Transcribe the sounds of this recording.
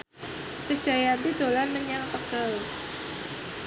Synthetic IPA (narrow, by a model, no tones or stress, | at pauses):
təsd̥a̤jant̪id̪olanməɲaŋt̪əkəl